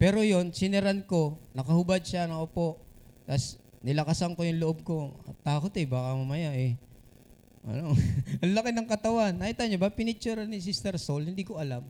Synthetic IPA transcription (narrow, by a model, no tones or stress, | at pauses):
pɛːɾo̞jo̞nsɪnɛɾanko̞nɐkɐhʊbad̪̚ʃanɐŋopo̞ʔt̪ɐsnɪlɐkasɐŋko̞jʊŋloʔob̚ko̞ɐt̪ːaːkot̪ɛbaːkɐmɐmɐjaʔɛ | ʔɐ̰noʔɐŋlɐkɪnɐŋkɐt̪ɐwanːɐʔɪt̪aɲobapɪnɪt͡ʃːuɾɐnɪs̬ist̪ɛɾsolhɪnd̪iːkoʔɐlam